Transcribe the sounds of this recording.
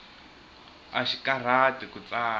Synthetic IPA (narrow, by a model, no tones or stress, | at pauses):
a̰ʃikʼar̤atikut͡sʼaː